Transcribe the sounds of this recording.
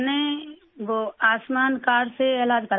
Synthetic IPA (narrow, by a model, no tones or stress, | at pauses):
ne | ʋoaːsmaːnkaːɾseeːlaːd͡ʒkəɾ